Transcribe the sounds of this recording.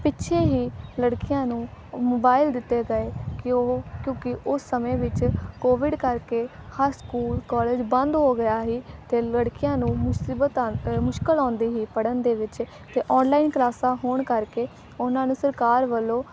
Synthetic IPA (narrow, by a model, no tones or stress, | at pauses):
pɪtːʃʰeːɦiːləɽkɪjãːnũːmoːbaːɪld̪ɪt̪ːeːɡəeːkɪoːkjõːkɪʊsːəmẽːʋɪt͡ʃkoːʋɪɖkəɾkeː | həɾskuːlkɔːleːd͡ʒbə̃nd̪ɦoːɡəjaːɦiːt̪eːləɽkɪjãːnũːmʊsiːbət̪ːmʊʃkəlɔ̃ːnd̪iːɦiːpəɽənd̪eːʋɪt͡ʃ | t̪eːʔɔːnlaːɪnklaːsaːɦoːɳkəɾkeː | ʊnãːnũːsəɾkaːɾʋəlːõː